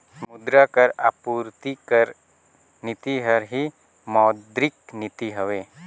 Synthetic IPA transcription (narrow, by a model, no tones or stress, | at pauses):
mʊd̪ɾakəɾapuːɾt̪ikəɾ | nɪt̪iɦəɾɦi | mɔːd̪ɾɪknɪt̪iɦəʋeː